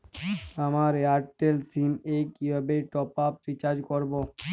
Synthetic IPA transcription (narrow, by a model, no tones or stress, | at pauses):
amaɾeaɾʈʈelsimekibʱabeʈɔpap̚ɾit͡ɕad͡ʑkoɾbo